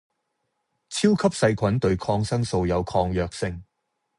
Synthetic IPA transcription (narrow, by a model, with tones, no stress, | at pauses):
t͡sʰiː˥wkʰɐ˥p̚sɐ˧jkʷʰɐ˨˥nt̪ɵ˧ɥkʰɔː˧ŋsɐ˥ŋso˧wjɐ˨˧wkʰɔː˧ŋjœː˨˧k̚sɪ˧ŋ